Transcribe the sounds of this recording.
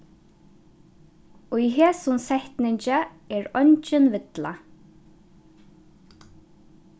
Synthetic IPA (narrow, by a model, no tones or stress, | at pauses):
ʊiɦɛːsʊnsɛht̪nɪɲt͡ʃaɛɹɔɲt͡ʃɪnvɪt̪la̰